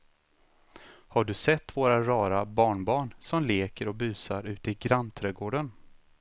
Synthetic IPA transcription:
haɖɵsɛt̪ːvoːɾaɾɑːɾabɑːɳbɑːɳsɔmleːkəɾɔby̟ːsaɾʉ̟ːt̪əɪɡɾant̪ʰɾɛːɡoːɖən

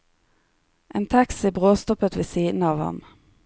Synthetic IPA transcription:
ʔeːnt̪ʰɑksɪbʁoːst̪ɔpət̪ʋeːsiːd̪n̩ɑːʋhɑ̰m

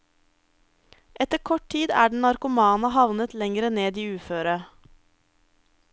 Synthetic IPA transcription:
ʔɛt̪əɾkʰɔʈ̚tʰiːd̪æːɖɳ̩nɑɾkʊmɑːnɑɦɑʋnət̪lɛŋɾəneːd̪iːʉːføːɾə

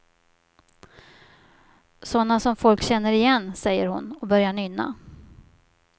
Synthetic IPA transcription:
sɔnːasɔmfɔlkɕɛn̪ːəɾɪjɛnːsɛjːə̰ɾhʊ̰nɔbœɾjaɳʏnːa̰

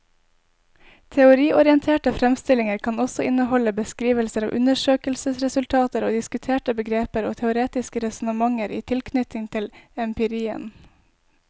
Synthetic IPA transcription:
t̪ʰɛʊɾiːʔɔɾɪənt̪ʰeːʈəfɾɛmst̪ɪlɪŋəɾkʰɑːnɔsɔɪnəhɔləbəskɾiːʋəlsəɾɑ̰ːʔʉ̰nəʃøːkəlsəsɾɛsʉlt̪ʰɑːt̪əɾo̰ːd̪ɪskʉt̪ʰeːʈəbəɡɾeːpəɾoːt̪ʰɛʊɾeːt̪ɪskəɾɛsnəmɑŋəɾʔḭːt̪ʰɪlkʰnʏt̪ɪŋt̪ʰɪlɛmpɪɾiːə̰n

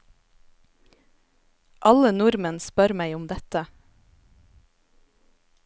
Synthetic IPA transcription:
ʔɑlənʊɾmənspœɾmæɪʊmd̪ɛt̪ə

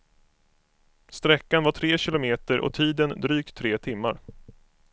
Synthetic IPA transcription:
st̪ɾɛkːanvaʈʰɾeːɕɪlʊmeːt̪əɾʔɔ̰t̪ʰiːd̪ənd̪ɾyːkt̪ʰːɾeːt̪ʰɪmːaɾ

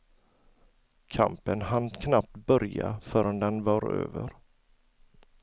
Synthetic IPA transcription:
kʰa̰mpənɦankʰnap̚t̪bœɾja̰fœːɾənd̪ɛnvɑːɾø̰ːvəɾ

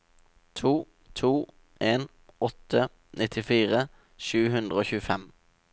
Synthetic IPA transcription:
t̪ʰuː | t̪ʰuː | ʔeːn | ɔt̪ʰə | nʔɪt̪ʰɪfiːʁə | ʃʉːhʉnd̪ʁəoːçʉːəfɛm

